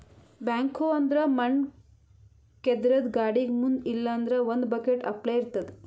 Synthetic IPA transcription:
baːŋkʰoːɐnd̪ɾɐmɐɳ | ked̪ɾɐd̪ɡaːɽiɡmund̪ilːɐːnd̪ɾɐʋond̪bɐkeʈɐ̰pleiɾt̪ɐd̪e

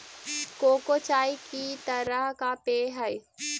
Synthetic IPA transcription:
koːkoːt͡ʃaːikit̪ɐɾəɦkapeːɦɐj

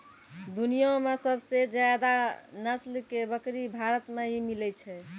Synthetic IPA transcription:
d̪unijõmesəbʱsed͡ʒjad̪anəslkebəkɾibʱaɾət̪meɦimilɛt͡ʃʰɛ

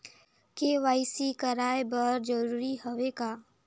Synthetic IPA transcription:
keʋaːɪsikəɾaːebəɾd͡ʒəɾuːɾiɦoʋeɡaː

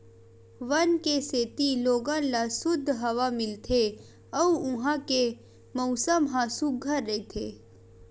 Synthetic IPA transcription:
ʋənkeseːt̪iloːɡãlasʊd̪ʱːɦɐʋamɪlt̪ʰe | ɔuʊ̃ɦãke | mɐʊsəmɦãsuɡʱːəɾːɐet̪ʰḛː

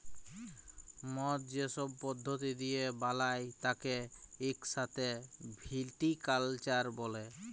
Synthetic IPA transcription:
mɔt̪̚d͡ʑesɔb̚pɔd̪ʱːot̪̬id̪ijebalajt̪akeekʃat̪ʰebʱilʈikalt͡ɕaɾbɔle

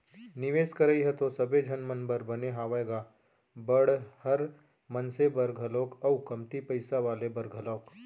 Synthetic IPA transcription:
nɪʋeːskəɾəiɦɛt̪osɐbed͡ʒʱɐnmənbəɾbɐneɦaːʋaeɡaː | bɐɽhɐɾ | mɐnsebəɾɡʱəloːkɐukɐmt̪ipɐɪsaʋaːlebɐɾɡʱəloːk

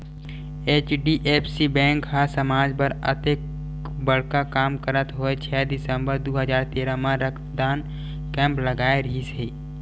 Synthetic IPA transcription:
eːt͡ʃɖiʔeːpʰsibɛ̃ːŋkɦasəmaːd͡ʒpəɾə̰t̪ek | bəɽ̤kakaːmkəɾət̪ɦoet͡ʃʰɛːd̪ɪsə̃mbəɾd̪oɦəd͡ʒaːɾt̪eːɾamãɾəkʰd̪aːn | kɛ̃ːmpləɡaːeɾɦisiː

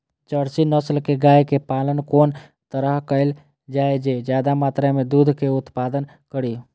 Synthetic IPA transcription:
t͡ʃəɽsinəslkeɡaːjkepaːlənkoːn | t̪əɾəɦkəɪl | d͡ʒaːed͡ʒed͡ʒjaːd̪amaːt̪ɾemẽd̪uːd̪ʱkeʊt̪paːd̪ən | kəɽi

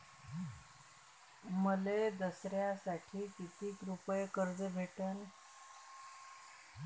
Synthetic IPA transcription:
məled̪əsɾjasaʈʰiːkit̪ʰiːkɾupjkəɾd͡zəbʱeʈəne

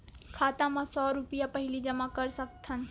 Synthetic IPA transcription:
kʰaːt̪ãmãsɔːɾʊpijapɐɦɪlid͡ʒɐmakɐɾsɐk̚t̪ʰə̃n

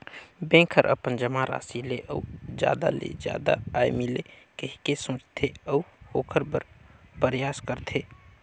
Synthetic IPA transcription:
bẽːkʰəɾʔə̰pənd͡ʒəmaɾa̰ːsileʔɔud͡ʒja̰ːd̪a̰lḛd͡ʒja̰ːd̪a̰aːjmile | kəɦikesõːt͡ʃt̪ʰeɔuoːkʰəɾbəɾpəɾjaːskəɾt̪ʰeː

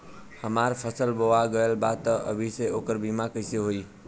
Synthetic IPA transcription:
həmaɾpʰəsəlboaɡəelbad̪̚t̪əʔə̰bʱiseokəɾbimakəjseɦoi

